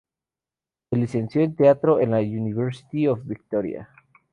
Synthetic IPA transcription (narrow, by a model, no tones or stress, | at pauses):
selise̞nsjo̞ent̪eat̪ɾo̞ʔenlauniβeɾsi̥t̪iofbik̚t̪oɾja̰